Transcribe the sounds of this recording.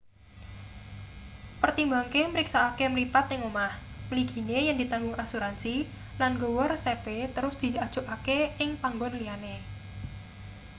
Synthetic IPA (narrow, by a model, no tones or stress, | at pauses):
pərt̪imbaŋkeməɾiksaːkemlipat̪ɪŋumahməliɡ̥i̤nejaŋd̪i̤t̪aŋɡʊŋasuɾansi | lanɡowɔrsepet̪əɾʊsd̪̥i̤ad̥ʒ̥ṳʔakeɪŋpaŋɡɔnliane